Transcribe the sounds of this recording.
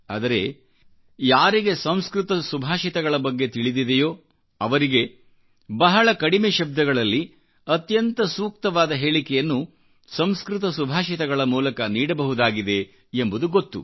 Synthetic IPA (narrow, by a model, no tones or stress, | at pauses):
a̰ːd̪ɐɾe̞ | jaːɾiɡe̞sɐ̃m̃skɾut̪ɐsubʱaːʃit̪ɐɡɐɭɐbɐɡːe̞t̪iɭid̪id̪ejo̞ː | ɐʋɐɾiɡe̞ | bɐɦɐɭɐkɐɽimeːʃɐb̚d̪ɐɡɐɭɐlːi | ɐt̪jɐnt̪ɐsuːk̚t̪ɐʋaːd̪ɐɦe̞ːɭikɛjɐnːu | sɐmskɾɪt̪ɐsubʱaːʃit̪ɐɡɐɭɐmuːlɐkɐniːɽɐbɐɦud̪aːɡid̪e̞ | embud̪uɡot̪ːu